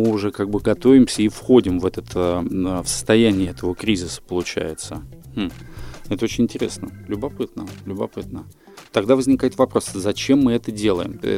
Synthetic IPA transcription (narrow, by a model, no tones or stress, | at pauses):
ɨʊʐɛkaɡ̚bɨɡɐt̪o̞vʲɪmsʲəifxo̞dʲɪmvɛt̪ət̪əfsə̥st̪ɐjænʲɪɪɛt̪əvəkɾʲizʲɪsə̥pəlˠʊt͡ɕæ̰jɪt̪səmm̩ɛt̪əot͡ɕɪnʲɪnʲtʲɪɾʲe̞̰snəlʲʊbɐpɨt̪nəlʲʊbɐpɨt̪nə | t̪ɐɡd̪avəzʲnʲɪkajɪt̪vɐpɾo̞szɐt͡ɕe̞mːɨɛt̪ədʲe̞lˠəjɪm̰